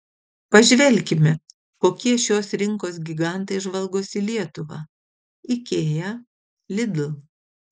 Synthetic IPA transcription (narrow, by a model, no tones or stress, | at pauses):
pɐʒʲʋʲɛlʲkʲɪmʲɛ | koːkʲiɛʃʲoːsɾʲɪŋkoːs̬ɡʲɪɡɑˑnt̪ɐɪʒʋɐlˠɡoːsʲɪlʲiɛt̪ʊʋɑ̰ː | ɪkʲeːjɛ | lʲɪd̪l̩ˠ